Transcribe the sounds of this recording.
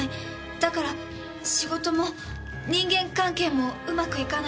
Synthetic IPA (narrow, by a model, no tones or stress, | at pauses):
i | d̪̥akaɾa | ɕiɡo̞t̪o̞mo̞ | ɲ̟ĩŋɡẽ̞ŋkãŋke̞ːmo̞ɯ̟makɯ̟ikan